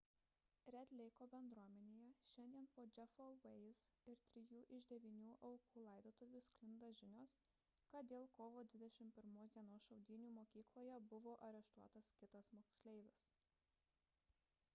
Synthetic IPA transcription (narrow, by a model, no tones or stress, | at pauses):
ɾʲɛt̪ʲlʲɛɪkoːbʲɛnd̪ɾuɔmʲɛnʲeːjɛʃʲɛnʲd̪ʲiɛnpoːd͡ʒʲɛfoʋɛɪzɪɾt̪ʲɾʲɪjuːʔɪʒd̪ʲɛʋʲiːnʲuːʔɐʊkuːlˠɐɪd̪oːt̪oʋʲuːsʲkʲlʲɪnd̪ɐʒʲɪnʲoːs | kɐt̪̚d̪ʲeːlˠkoːʋoːd̪ʲʋʲɪd̪ʲɛʃʲɪmpʲɪɾmoːsd̪ʲiɛnoːsʃɐʊd̪ʲiːnʲuːmoːkʲiːklˠoːjɛbʊʋoːʔɐɾʲɛʃt̪uɔt̪ɐskʲɪt̪ɐsmoːksʲlʲɛɪʋʲɪs